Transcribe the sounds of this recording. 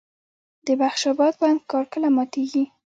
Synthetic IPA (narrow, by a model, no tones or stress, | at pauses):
d̪̥əbaxʃɑbɑd̪̚bɑnd̪kɑɾkəlamɑt̪eɡi